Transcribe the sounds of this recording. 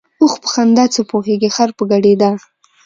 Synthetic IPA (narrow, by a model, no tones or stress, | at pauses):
oxpə̥xand̪at͡səpoɦeɡexaɾpəɡaɖed̪a